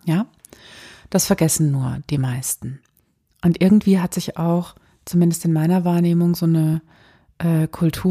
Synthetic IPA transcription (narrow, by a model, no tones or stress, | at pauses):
jaː | d̥asfɛɐɡɛsn̩ːuːɐd̥iːmaɪstn̩ | ʔʊntʔɪɐɡŋ̩tv̥iːɦatz̥ɪçaʊx | t͡sumɪndəstɪnmaɪnɐvaːɐneːmʊŋzoːnə | ʔɛːkʰʊltʰuː